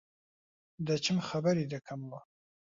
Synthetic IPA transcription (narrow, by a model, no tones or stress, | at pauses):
d̪ɐt͡ʃʰɨmxɐbɐɾid̪ɐkʰɐmwɐ